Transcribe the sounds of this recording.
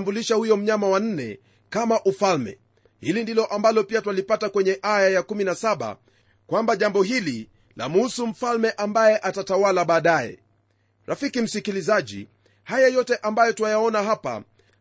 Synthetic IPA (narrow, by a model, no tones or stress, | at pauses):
mbuliʃahujɔm̩ɲamawan̩nɛ | kamaʔufalmɛ̰ | hilindilɔʔambalɔpiatwalipatakwɛɲɛʔajajakuminasaɓa̰ | kwambaʄambɔɦili | la̰m̩usum̩falmɛʔambajɛʔatatawalaɓaːɗajɛ̰ | ɾʔafikim̩sikilizaʄḭ | hajajɔtɛʔambajɔtwajaɔnaɦapa̰